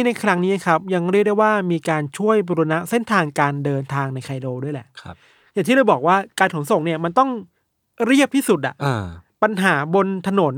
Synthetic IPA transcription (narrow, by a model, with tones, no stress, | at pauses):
i˥na˧jkʰɾa˦˥ŋniː˦˥a˨˩kʰɾa˦˥p̚ja˧ŋɾi˥˩k̚da˥˩jwaː˥˩miː˧kaː˧nt͡ɕʰu˥˩əjɾu˧na˦˥ʔse˥˩nt̪ʰaː˧ŋkaː˧ndɤː˧nt̪ʰaː˧ŋna˧jkʰa˧jdoː˧du˥˩əjlɛ̰˨˩ʔkʰa˦ | ja˨˩ŋt̪ʰiː˥ɾa˧jbɔː˨˩k̚waː˥˩kaː˧nkʰo˨˩˦nso˨˩ŋni˥˩ɐma˧nt̪ɔ˥˩ŋ | ɾi˥˩əp̚t̪ʰiː˥˩su˨˩t̪̚ʔa̰˨˩ʔʔa˧pa˧nɦaː˩˦bo˧nt̪ʰa˧no˩˦n